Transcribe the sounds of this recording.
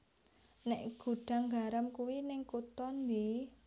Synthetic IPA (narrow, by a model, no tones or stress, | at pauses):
nɛʔɡ̥ṳɖ̥a̤ŋɡaɾəmkuwinɪŋkut̪ɔnwi